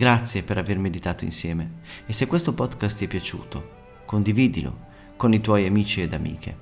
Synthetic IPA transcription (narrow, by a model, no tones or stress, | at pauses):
ɡɾat̪sːjepeɾavermed̪it̪aːt̪oḭnsjɛːmeːsekwest̪opɔd̪kast̪ɛpːjat͡ʃṵːt̪o | kond̪iviːd̪ilo̰ | konit̪wɔjamiːt͡ʃied̪amḭːkʰḛ